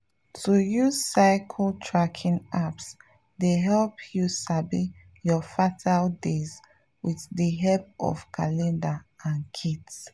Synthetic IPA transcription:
tʰujuz̥saɪkʰəltʰɹakʰĩŋaps | deɦɛlpʰjusabi | jɔfatʰaldez | wiðdəɦɛp̚ɔ̰fkʰalɛ̃ndaãnkʰits

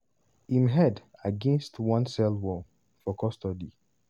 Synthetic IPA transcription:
ĩmɦɛdaɡɛ̃nstwɔ̃nsɛlwɔ | fɔkʰɔstɔdi

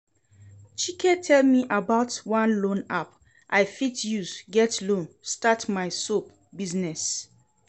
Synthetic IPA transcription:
t͡ʃikʰɛtʰɛlmiʔabaʊtwãnlõnap̚ | ʔaɪfitʰjuzɡɛtlõnstatmaɪsop̚ | biznɛs

